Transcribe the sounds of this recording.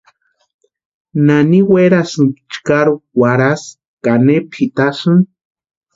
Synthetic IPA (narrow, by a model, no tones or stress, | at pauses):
naniweɾasɨnkt͡ʃkaɾuwaɾas | kanepʰit̪asɨn